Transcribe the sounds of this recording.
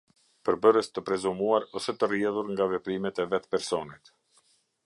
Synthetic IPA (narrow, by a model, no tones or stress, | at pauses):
pəɾbəɾəst̪əpɾɛzumuaɾɔsɛt̪ərjɛðuɾŋɡavɛpɾimɛt̪ɛvɛt̪pɛɾsɔnit̪